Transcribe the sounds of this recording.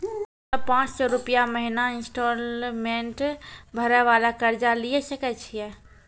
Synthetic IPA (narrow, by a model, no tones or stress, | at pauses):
ɔpãt͡ʃsɔɾupijaməɦinainsʈolmeɳʈbʱəɾɛʋalakəɾd͡ʒalijɛsəkɛt͡ʃʰijɛ